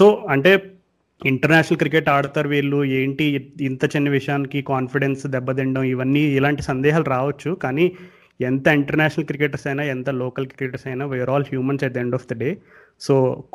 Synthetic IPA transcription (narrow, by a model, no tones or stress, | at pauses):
so̞ːɐɳʈeː | iɳʈɐɾnaːʃɐnɐlkɾikeʈaːɽut̪aːɾuʋiːɭːueːɳʈiːnt̪ɐt͡ʃinːɐʋiʂɐjaːnikikaːnfiɽensd̪ɛbːɐd̪ɛɳɖɐmiʋɐnːiːlaːɳʈisɐnd̪ɛːɦaːlɾaːʋɐt͡ʃːukaːniː | ɛnt̪ɐiɳʈɐɾnaːʃɐnɐlkɾikeʈɐsɐjnaːɛnt̪ɐlɔːkɐlkɾikeʈɐɾsɐjnaːʋijʋɐɾaːlhjuːmɐnsɐd̪eɳɖɔːfd̪ɐɖeː | soː